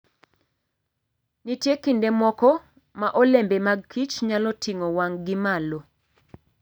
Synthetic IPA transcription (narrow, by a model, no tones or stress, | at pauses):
nitjekindemɔkɔ | maʔɔlembemaɡ̚kʰit͡ʃɲalɔtiŋɔwaŋɡɪmalo